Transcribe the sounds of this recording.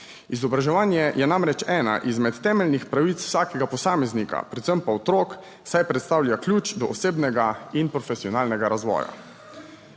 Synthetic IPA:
izɔbɾaʒɛʋaːnjɛjʔɛnamɾɛt͡ʃɛːna̰ʔizmɛt̪ːɛːmɛlnixpɾaʋit̪w̥saːkɛɡapɔsaːmɛznika̰pɾɛt̪səmpaɔt̪ɾoːk | sajpɾɛt̪st̪aːwlʲjaklʲjuːt͡ʃd̪ɔʔɔseːbnɛɡainpɾɔfɛsiɔnaːlnɛɡaɾazʋɔ̰ːja̰

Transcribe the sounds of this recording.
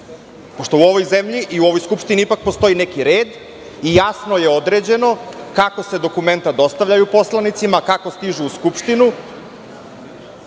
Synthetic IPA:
poʃt̪o̞uo̞ʋo̞jzemʎiʔiuo̞ʋo̞jskupʃt̪iniipak̚post̪o̞ine̞kiɾeːd̪ | ijasno̞je̞o̞d̪ɾe̞d͡ʑe̞no̞kako̞se̞d̪o̞kume̞nt̪ad̪o̞st̪aʋvʎajupo̞slˠanit̪simakako̞st̪iʒuːskupʃt̪inu

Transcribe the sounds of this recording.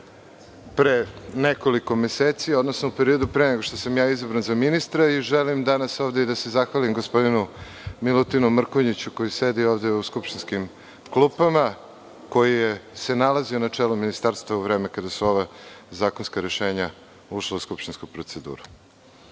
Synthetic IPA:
pɾeneko̞liko̞meseːt̪sio̞d̪nosnoupe̞ɾio̞d̪upɾeneɡo̞ʃt̪o̞samjaːizabɾanzaminist̪ɾaiʒelimd̪anaso̞ːʋd̪eid̪ase̞zaxʋalimɡospo̞d̪inu | milut̪inumr̩koɲit͡ɕuko̞jise̞d̪io̞ːʋd̪e̞uskupʃt̪inskim | klupama | ko̞jijese̞nalazionat͡ʂelominist̪aːɾst̪vauʋɾe̞ːmekad̪asuo̞ʋazaːkonskaɾe̞ʃe̞ːɲa | uʃleuskupt̪inskupɾot̪sed̪ṵːɾu

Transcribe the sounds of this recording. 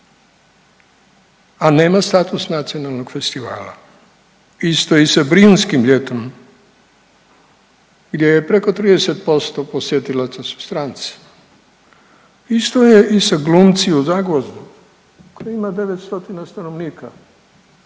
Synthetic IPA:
ane̞ːmast̪aːt̪usnat̪sio̞nalˠno̞ɡ̥fe̞st̪iʋa̰ːla̰ | ist̪oisabɾiunskimʎet̪onom | ɡd̪je̞jepɾe̞ko̞t̪ɾiːd̪ese̞t̪̚po̞st̪o̞po̞sjet̪ilat̪sasu̥st̪ɾaːnt̪si̥ | ist̪ojeʔisaɡlumt̪siuzaɡʋozd̪u | kojaimad̪e̞ʋet̪st̪o̞t̪inast̪anoʋniːka

